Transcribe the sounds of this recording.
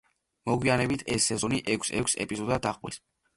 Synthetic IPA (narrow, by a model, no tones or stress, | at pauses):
mɔɡwianɛbit̪ʰɛsːɛzɔniʔɛkʰsɛ̰kʷʰsɛ̰pʼizɔd̪ad̪aqʼwḭs